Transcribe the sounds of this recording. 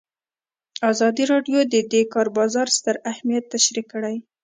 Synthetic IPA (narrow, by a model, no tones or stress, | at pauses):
ɑzɑd̪iɾɑɖjod̪əd̪ekɑɾbɑzɑɾst̪əɾahmijat̪ːaʃɾikːəɽaj